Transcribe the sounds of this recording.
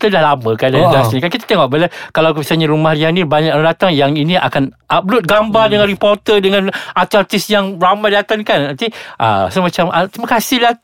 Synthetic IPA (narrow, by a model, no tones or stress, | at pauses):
kit̪adahlamə̃kadad͡ʒasɲakankit̪ḁt̪eŋɔʔ̚bəlakalawkisaɲaɾumahɾianibaɲak̚adat̪aŋjaŋinĩʔa̰kanʔablʊt̪̚ɡambardəŋãnɾipɔrt̪ədəŋãnat̪art̪ɪsjaŋramajdat̪ankanant̪iʔa̰samat͡ʃamʔat̪ɾimaəkasɪhlah